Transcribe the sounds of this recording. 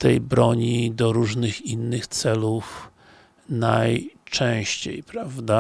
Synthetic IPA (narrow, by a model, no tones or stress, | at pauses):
t̪ɛjbɾɔɲid̪ɔɾuʐnɘxinːɘxt̪sɛluf | najt͡ʂɛ̃w̃ɕt͡ɕḛjpɾavd̪a